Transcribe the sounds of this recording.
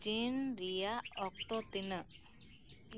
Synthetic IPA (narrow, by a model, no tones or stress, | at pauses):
d͡ʒinɾijaɔk̚t̪ɔt̪inə